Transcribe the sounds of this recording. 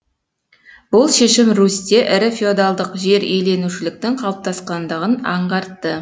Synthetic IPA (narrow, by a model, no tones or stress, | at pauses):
b̥ʊlˠʃe̞ʃɪmɾust̪e̞ʔɪɾɪfʲeod̪ɑlˠd̪əqʒe̞ɾejle̞nuʃɪlɪk̚t̪ɪŋqʰɑlˠəp̚t̪ɑsqɑnd̪əʁənɑɴʁɑɾt̪ːə